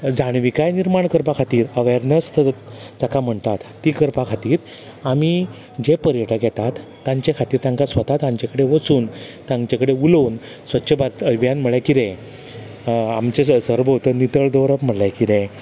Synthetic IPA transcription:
d͡zaɽ̃ʋikajniɾmaɳkəɾpakʰat̪iːɾəʋeɾnəst̪d͡zakam̤əɳt̪at̪ːiːkəɾpakʰat̪iːɾ | ami | d͡ʑepəɾjəʈəɡʱjɛt̪at̪ːãɲt͡ɕekʰat̪iːɾt̪ãŋkasʋət̪at̪amt͡ɕakəɽeʋət͡suːnt̪ãŋɡt͡ɕakəɽeulon | sʋətːɕʰəbaɾt̪əʋjanm̤əɭjakiɾẽ | amt͡ɕesəɾʋəɦot̪ənit̪əɭd̪əʋɾəpm̤əɽlakiɾẽ

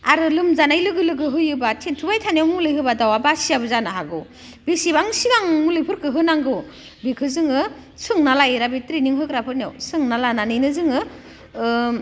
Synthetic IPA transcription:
aɾɯlɯmzanajlɯɡɯlɯɡɯɦɯjɯbatʰentʰubajtʰanjawmulɯjɦɯbadawabasijabɯzanaɦaɡɯ | b̥isibaŋsiɡaŋmulɯjpʰɯɾkɯɦɯnaŋɡɯw | bikʰɯzɯŋɯ | sɯŋnalajɾabitɾiniŋɦɯkɾapʰɯɾnija̰wsɯŋnalananɯjnɯzɯŋɯ

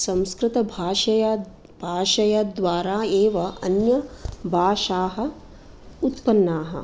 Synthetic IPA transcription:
sɐ̃m̃skɾɪt̪ɐbʱaːʃɐjɐ | b̥ʱaːʃɐjɐd̪ʋaːɾaːeːʋɐɐnjɐbʱaːʃaːɦɐ̆ | ut̪pɐnːaːɦɐ̰

